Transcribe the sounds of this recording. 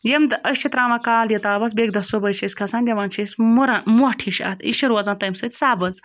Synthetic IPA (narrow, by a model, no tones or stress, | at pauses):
jemd̪ɐʃʲt͡ʃʰit̪ɾaːmakaːljɐt̪aːbɐsbeːɡd̪ɐsobɐjt͡ʃʰiskʰɐsaːnʲd̪ʲɐʋaːnt͡ʃʰismuɾanmoʈʰiʃɐ̰t̪ʰḭʃiɾwɐzãːnt̪ɐjmsɐt̪ʲsaːbɐz